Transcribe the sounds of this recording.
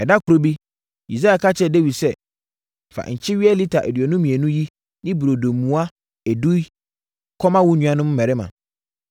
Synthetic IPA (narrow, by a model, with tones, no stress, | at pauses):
ɛ˨da˦kʰʊ˨ɾo˦bi˦ | ḭ˨s̬a˦a˨kʰa˦t͡ɕʰɛ˦de˦wi˨sɛ˦ | m̩˨fa̰˨ɲ̩˨t͡ɕʰɪ˦ɥi˦ɛ˦li˦tʰa˨ʔæ̰˨di˨ɔ˨nʊ̃˦mĩ˨ɛ˨nũ˦ji˦ | nɪ̃˦bu˨ɾo˨doː˨ũ˨˦a˦ | ɛ˨du˦i˦ | kʰɔ˦mã˦wʊ˦ɲũ˨˦ã˨nʊ̃˦m̩˦mɛ̃˨ɾɪ˦mã̰˨